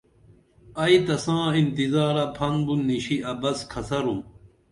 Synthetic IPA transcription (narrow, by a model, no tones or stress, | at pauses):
ɐit̪ɐsãːint̪izaːɾɐpʰɐnbunːiɕiɐbɐskʰɐsɐɾum